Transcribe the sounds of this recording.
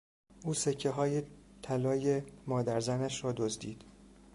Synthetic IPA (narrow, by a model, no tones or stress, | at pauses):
ʔuːsecʰːeɦɒːjet̪ʰælɒːjemɒːd̪æɾzænæʃɾɒːd̪ozd̪iːd̪̥